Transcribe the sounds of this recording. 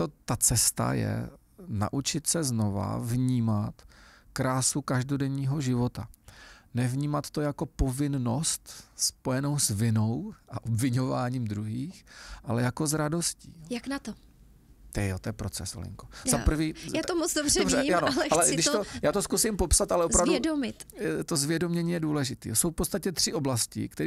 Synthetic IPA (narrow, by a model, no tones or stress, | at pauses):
t̪ot̪at͡sɛst̪a̰jɛ̰ | na̰ʔut͡ʃɪt̪sɛzno̞va̰vɲiːmat̪kɾaːsukaʒdodɛɲiːɦo̞ʒɪvo̞t̪anɛvɲiːmat̪t̪o̞jako̞po̞vɪnno̞st̪spo̞jɛno̞wsvɪno̞wʔaʔobvɪɲo̞vaːɲiːmd̪ɾuɦiːxʔalɛjako̞zɾado̞scḭːjaknat̪o | t̪ɛɛjot̪ojɛpɾot͡sɛ̰so̰lɪ̰ŋkozzapɾ̩viːjaːomot͡sdobzɛbʒɛjanoalɛɡdɪʃt̪ojaːt̪o̞skusɪmpo̞psat̪alɛʔopɾavdɛdomɪt̪t̪ozvjɛdomɲɛɲiːjɛduːlɛʒɪt̪ḭːsowfpott͡sst̪acɛt̪r̝̥ɪʔo̞blascɪ̰kt̪ɛ